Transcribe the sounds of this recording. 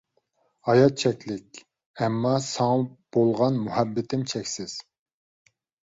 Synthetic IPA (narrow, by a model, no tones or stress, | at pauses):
ɑjɑt̪̚t͡ʃʰɛkʲlɪkʲ | ɛmːɑsɑŋɑb̥olˠʁɑnmuhɛbːɪt̪ɪmt͡ʃʰɛkʲsɪz̥